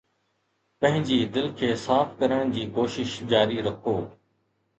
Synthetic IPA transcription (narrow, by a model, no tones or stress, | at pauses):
pɐ̃ɦɪ̃ɲd͡ʑiːd̪ɪlkʰeːsaːfkɐɾəɽ̃d͡ʑiːkoːʃɪʃd͡ʑaːɾiɾɐkʰoː